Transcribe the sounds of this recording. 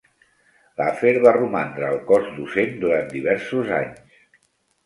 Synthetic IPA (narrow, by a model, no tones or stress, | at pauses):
lafeɾβarumand̪ɾəːlˠkɔzd̪usend̪uɾant̪d̪iβɛɾsuza̰ɲs